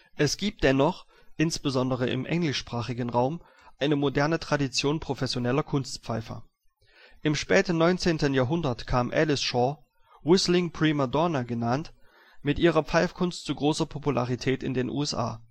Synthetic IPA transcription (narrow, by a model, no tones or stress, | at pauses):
ʔɛsɡ̥iːp̚t̚d̥ɛnɔχ | ʔɪnsb̥əzɔndəʁəʔɪ̰mʔɛ̰ŋlɪʃpʁ̥aːχɪɡən̩ʁaʊm | ʔaɪnəmodɛɐnətʁ̥adit͡sjoːnpʁ̥ofɛsjonɛlɐkʰʊnstpp͡faɪfɐ̰ | ʔɪmʃpɛːtn̩nːɔʏnt͡seːntənjaːɐɦʊndɐtkʰaːmʔɛ̰lɪsʃɔ | ʁʊslɪŋpʁ̥imadɔnaɡənant | mɪtʔiːʁɐp͡faɪfkʰʊnstt͡suɡʁoːsɐpʰopula̰ʁitʰɛːtɪndeːnʔṵːɛsʔa̰ː